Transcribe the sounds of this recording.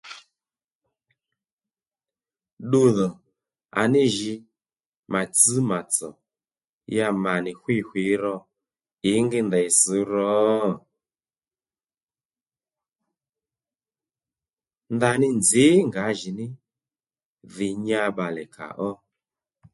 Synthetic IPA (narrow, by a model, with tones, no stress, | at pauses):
ɗu˧ðɔ˨ | a̰˨ni˦ʒi˧ | ma˨t͡sɨ˦ma˨t͡sɔ˨ | ja˧ma˨ni˨xwi˦˨xwi˨˦ɾɔ˧ | i˨˦ŋɡi˦nda˨i˨si˨˦ɾɔ˨˦˨ | nda˧nɪ˦nd͡zi˨˦ŋɡa˨˦ʒi˨nɪ˦ | ði˨ɲa˧ɓa˨lɛ˨ka̰˨ʔɔ˦